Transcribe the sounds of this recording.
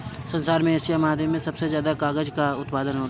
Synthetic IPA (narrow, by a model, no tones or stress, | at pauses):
sɐ̃nsaːɾmẽesiamaːd̪ʱjəmːẽsɐbsezjaːd̪akaːɡəd͡ʒkaʊt̪paːd̪ənɦoː